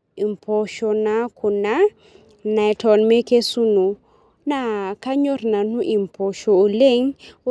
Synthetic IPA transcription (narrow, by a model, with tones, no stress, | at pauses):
i˨mpʰɔ˨ʃɔ˨na˦ku˨na˦ | na˨jtʰɔ˨nme˦ke˦su˦nu˨ | na˦˨ka˦ɲo˦rna˨nu˦ʔi˨mpʰɔ˨ʃɔ˨o˨le˦ŋ˦